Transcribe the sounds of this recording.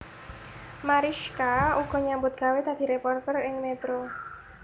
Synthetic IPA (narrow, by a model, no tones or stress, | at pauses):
maɾiʃkauɡ̥ɔ̤ɲambʊt̪̚ɡ̥a̤wet̪ad̪̥i̤ɾepɔrt̪ɛrɪŋmet̪ɾo